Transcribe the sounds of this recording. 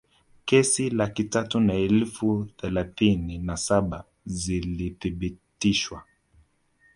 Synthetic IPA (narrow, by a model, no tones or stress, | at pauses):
kɛsilakitatunaɛlfuθɛlaθininasaɓa | ziliθiɓitiʃwa